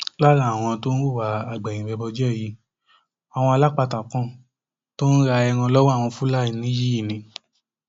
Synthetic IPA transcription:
la˦ɾa˦˨w̃ɔ̃˧to˦n̩˦ɾu˦˨wa˨˦a˨ɡ͡bɛ̃˨ĩ˨wɛ˧bɔ˧d͡ʒɛ˦˨ji˨˦ | a˨w̃ɔ̃˧a˧la˦k͡pa˧ta˨kɔ̃˧ | to˦n̩˦ɾa˧ɛ˧ŋã˧lɔ˦wɔ˦˨w̃ɔ̃˧fu˦la˦i˨nĩ˦ji˦i˦˨nĩ˨

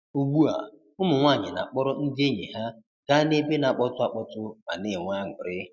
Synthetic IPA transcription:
u˦ɡ͡bu˦a̰˨ | ʊ˦mʊ˨ŋʷa˦˨ɲɪ˨na̰˨k͡pɔ˦ɾɔ˦n̩˦de˦ɲe˨ɦa˦ | ka˦ne˦be˦n˨a˨k͡pɔ˦tʊ˦a˨k͡pɔ˦tʊ˦a̰˨nɪ˨ŋʷa˦˨ŋʷʊ˨ɾɪ˦

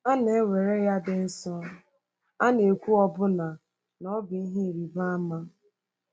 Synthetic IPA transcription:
a˦ne˨˦we˨ɾe˦ja˦dɪ˦n̩˦sɔ˦ | a˦ne˨kʷu˦ɔ˦bʊ˦na˨ | nɔ˦bi˨i˦ɦi˦˨ɾi˨ba˦ma˦

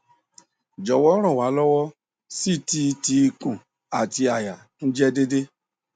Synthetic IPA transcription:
d͡ʒɔ˨wɔ˦ɾ̃ɔ̃˦˨wa˨˦lɔ˦wɔ˦ | si˦˨ti˧ti˧kũ˨ | a˨ti˧a˨ja˨ | n̩˦d͡ʒɛ˦de˦de˦

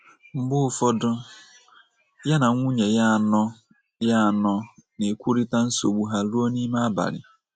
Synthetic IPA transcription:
ŋ͡m̩˦ɡ͡bʊ˦ʊ˦fɔ˦dʊ˦ | ja˦na˨˦ŋʷu˦ɲe˨ja˦˨nɔ˦ | ja˦˨nɔ˦ne˨kʷu˦ɾi˦ta˦n̩˦so˨ɡ͡bu˨ɦa˦lu˦ɔ˦ni˦ma˦a˦ba̰˨ɾɪ̰˨

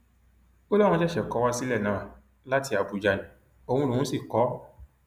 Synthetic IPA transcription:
o˦lɔ˦ɾɔ̃˧d͡ʒɛ˦ʃɛ˨kɔ˨˦wa˧si˦lɛ˦˨nãː˨ | la˦ti˧a˨bu˨˧d͡ʒa˨ɲĩ˨ | o˧hũ˧lu˨ũ˨˦si˦˨kɔ˨˦

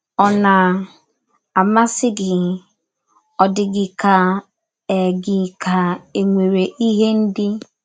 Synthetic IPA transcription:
ɔ˦na˨ | a˨ma˦sɪ˦ɡɪ˨ | ɔ˨dɪ˨ɡɪ˨ka˨ | ɛ˨ɡɪ˨ka˨e˨ŋʷe˨ɾe˨ʔi˦ɦe˦n̩˦dɪ˦

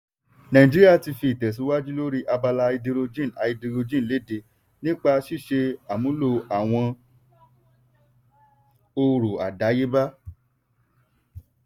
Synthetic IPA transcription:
nã˨ĩ˨d͡ʒi˦ɾi˦a˦˨ti˧fi˧i˨tɛ˨s̬u˨˦wa˦d͡ʒi˦lo˦ɾi˦ʔa˧ba˧la˧i˧di˧ɾo˧d͡ʒĩ˦˨a˧i˧di˧ɾo˧d͡ʒĩ˦n̩˨le˨˦˨de˨˧˦ | nĩ˦k͡pa˧ʃi˦˨ʃe˧a˨mũ˨˦lo˧a˨w̃ɔ̃˧ | o˧ɾu˨a̰˨da˨˦je˦ba˦

